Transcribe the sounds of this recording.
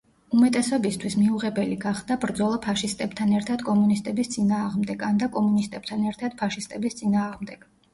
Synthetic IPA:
umɛt̪ʼɛsɔbist̪ʰwismiuʁɛbɛliɡaχd̪abɾd̪zɔlˠapʰaʃist̪ʼɛb̥t̪ʰanɛɾt̪ʰad̪̥kʼɔmunist̪ʼɛbist̪sʼinaːʁmd̪ɛɡand̪akʼɔmunist̪ʼɛb̥̚t̪ʰanɛɾt̪ʰad̪̥̚pʰaʃist̪ʼɛbist̪sʼinaːʁmd̪ɛɡ̥

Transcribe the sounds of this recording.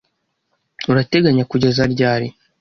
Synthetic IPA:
uɾate̞ɡaɲakuɟezaɾɟaːɾi

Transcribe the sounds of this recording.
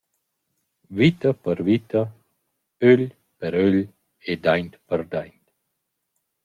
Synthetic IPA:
vit̪əpəɾvit̪ə | øʎ | pəɾøʎ | ed̪ajnt̪pəɾd̪ajnt̪

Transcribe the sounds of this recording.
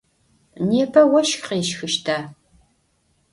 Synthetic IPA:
neːpʰɐwɐʃxqeːʃxɨʃtʰaː

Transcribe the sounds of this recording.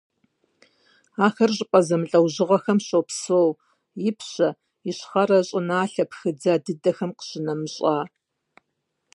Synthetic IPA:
aːxɐrʑʼɪpʼɐzɐmɨɬʼɐwʑɪʁɐxɐmɕopsow | jɪpʰɕɐ | ɪɕχɐɾɐɕʼɪnaːɬɐpxɨd͡zaːdɨdɐxɐmqə̥ɕɪnɐmɨɕʼaː

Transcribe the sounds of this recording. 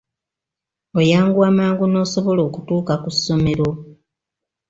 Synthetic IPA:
ojaːŋɡuamaːŋɡuno̞ːso̞βo̞lo̞ːkutuːkakusːo̞me̞ɾo

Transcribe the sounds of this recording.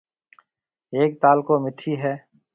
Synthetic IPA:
eːk̚t̪aːlkoːmɪʈʰiːɦɛː

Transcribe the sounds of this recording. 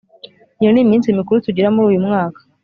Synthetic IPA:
jonimiːnsimikuɾutuɟiɾamuɾuːjumŋaːkḁ

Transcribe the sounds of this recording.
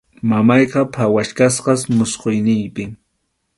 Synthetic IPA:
mamɑjqɑpʰawaʃkasqɑsmʊsqojnɪjpɪ

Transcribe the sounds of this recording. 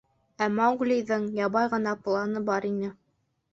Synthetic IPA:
æmɑŋɡlʲijðɤɴjɑβɑjʁɤ̆nɑplˠɑnɤbɑɾinɘ

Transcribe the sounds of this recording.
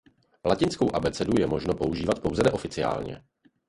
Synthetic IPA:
lacɪnskowʔabɛt͡sɛdujɛmo̞ʒno̞po̞uʒiːvat̪̚po̞wzɛnɛʔo̞fɪt͡sɪja̰ːlɲɛ̰

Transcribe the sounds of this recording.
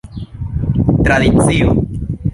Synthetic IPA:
t̪ɾaðiθio

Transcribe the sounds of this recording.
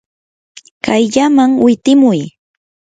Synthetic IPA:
kajʎamaŋwɪt̪ɪmʊj

